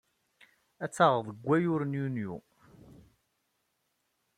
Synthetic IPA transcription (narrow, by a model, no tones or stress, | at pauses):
æt͡sːɑʁðˤəɡʷːæjʊɾnjunjṵ